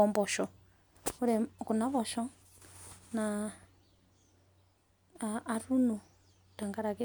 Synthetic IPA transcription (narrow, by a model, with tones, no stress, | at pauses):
ɔ˨mbɔ˨ʃɔ˨ | u˦ɾɛ˨ku˨na˦βɔ˨ʃɔ˦ | na˨ | ɾu˦nu˨ | ta˨ŋɡa˦ɾa˨kɛ˦